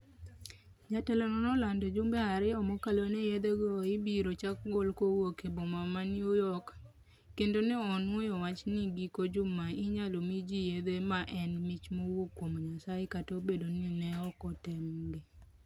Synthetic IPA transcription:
ɲatɛlɔnɔnɔlandod͡ʒʊmbɛaɾɪɔmɔkalonɛjed̪eɡɔɪbiɾot͡ʃakɡolkowokebomamanɪojɔkː | endonɛɔnwojɔwat͡ʃniɡikod͡ʒʊmaɪɲalomid͡ʒijed̪emaʔɛnmɪt͡ʃmowokːwomoɲasajekatobedoninɛɔkɔtɛmɡe

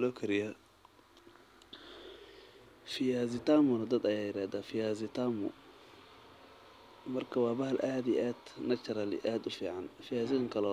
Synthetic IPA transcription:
loːkʰɐɾɪja | fɪjaːzɪt̪aːmʊnɐd̪ɐd̪ɐjaːjɪɾaːd̪afɪjaːzɪt̪aːmʊ̰ | mɐrkʰɐwaːbɐhɐlʔaːd̪iʔaːd̪nɐk̚t͡ʃɐɾalɪ̰ʔaːd̪ʊfḭːʕanfɪjaːziŋkʰɐlɔ

